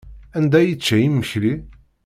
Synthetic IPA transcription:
ænd̪æjət͡ʃːæjimːəçli

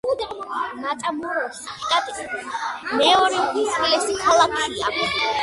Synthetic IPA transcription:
ud̪ɾmat̪ʼamɔɾɔsaχid̪at̪ʼismɛɔɾɛisʼvilɛsikʰalˠakʰia̰k

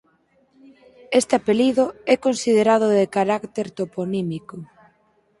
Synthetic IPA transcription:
est̪ɪapeliðʊɛkonsið̞eɾað̞ʊðekaɾakt̪eɾt̪oponimiko

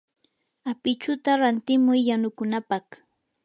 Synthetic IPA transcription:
apɪt͡ʃʊt̪aɾant̪ɪmʊjːanʊkʊnapɑχ

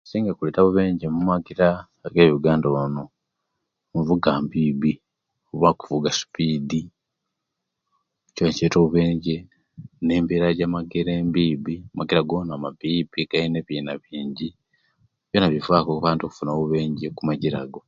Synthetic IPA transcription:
siːŋɡakuleːtaβuβe̞ːɲɟemumaɡiɾaː | ɡeːβuɡaːndoono | muvuɡaːmbiːbi | uβaku̥vuɡasi̥piːdi | coːnceːtoβuβe̞ːɲɟe | ne̞ːmbiɾaɟamaɡeɾeːmbiːbimumaɡiɾaɡoːnamabibiɡ̥aineβiːnaβiːɲɟi | βjonaβivaːkokuβaːntoku̥funoːβuβe̞ːɲɟekumaɟiɾa̰ɡo̞

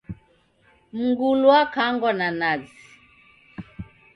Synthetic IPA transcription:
m̩ɡulwakaŋɡɔnanazi

